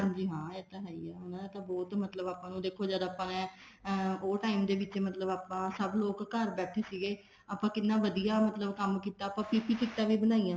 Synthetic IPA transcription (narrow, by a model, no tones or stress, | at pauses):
ɦãnd͡ʒiːɦãːeːt̪əɦaːiːɛːɦonãːd̪aːt̪ãːbɔːt̪mət̪ləbaːpãːnũːd̪eːkʰːoːd͡ʒəd̪aːpãːɛ̃ː | oːʈaːimd̪eːʋɪt͡ʃemət̪ləbaːpãːsəbloːkːəɾbɛːʈʰeːsiːɡeː | aːpãːkɪnːãːʋəd̪ijaːmət̪ləbkəmkiːt̪aːəpãːpiːpiːkɪkt̪ãːʋiːbənaːiːjãː